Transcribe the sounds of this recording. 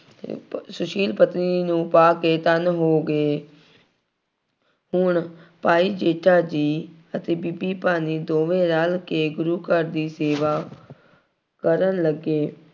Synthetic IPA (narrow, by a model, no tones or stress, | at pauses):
sʊʃiːlpət̪ninũːpaːkeːt̪ənɦoːɡeː | ɦʊɳpaːiːd͡ʒeːʈaːd͡ʒiː | ət̪eːbibiːpaːniːd̪oːʋẽːɾalkeːɡʊɾuːkəɾd̪iːseːʋaː | kəɾənləɡeː